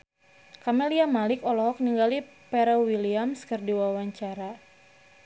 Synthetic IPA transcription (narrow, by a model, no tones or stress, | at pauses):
kameliamalɪkɔlɔɦɔk̚niŋɡalipɛɾɔwiliamskərdiwawaɲt͡ʃaɾa